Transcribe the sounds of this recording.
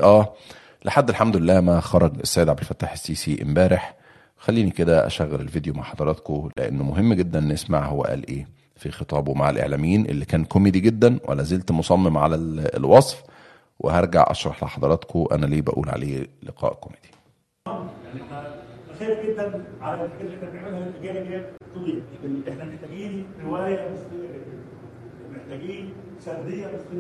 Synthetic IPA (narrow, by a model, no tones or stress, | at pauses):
ʔæː | leħad̪ːelħamd̪ʊlelːæːmæxɑɾˤɑɡesːæːjːd̪ʕabd̪elfæt̪ːaːħesːiːsiʔḛmbæːɾeħ | xælːiːniked̪æʔæ̰ʃæːɣːeɾḛlvid̪joma̰ʕħɑd̪ˤɑɾˤɑːt̪kolḛʔḛnːmoɦemːɡed̪ːænʔenʔesmaʕhowːæ̰ʔæ̰ːlʔeː | fixet̪ˤɑːbwmaʕelʔḛʕlæːmjiːnʔḛlːikæːnkomeːd̪iɡed̪ːænwʔæ̰lːæzelt̪mosˤɑmːemʕa̰lælwɑsˤf | wʔḛɦɑɾˤɡa̰ʕʔɑ̰ʃɾˤɑħlḛħɑd̪ˤɑɾˤɑːt̪kʰowʔæ̰næliːbæʔṵːlʕa̰leːlḛqɑ̰ːʔkomeːd̪̥i̥ | ɑmaʕniʔæxæːɾɡed̪ːænʕalækælenæmeʕmelhæelʔɡæːhɡæt̪ːˤoiʔeħnæmeħt̪æɡiːnɾewæːjæmosˤlejːæɡed̪ːed̪æ | meħt̪æɡiːn | ʃæɾːejːæmosˤ